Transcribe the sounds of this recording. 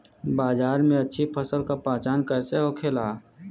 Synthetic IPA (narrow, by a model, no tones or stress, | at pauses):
baːzaːɾmẽɐtːʃʰipʰəsəlkapãːt͡ʃaːnkəɾseɦokʰeːlaː